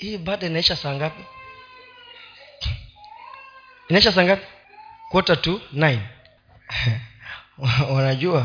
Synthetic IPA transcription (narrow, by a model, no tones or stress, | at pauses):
iɓaːɗainaɛʃasaːŋɡapi | inaɛʃas̬aːŋɡapi̥ | kwɔtatunajn | unaʄua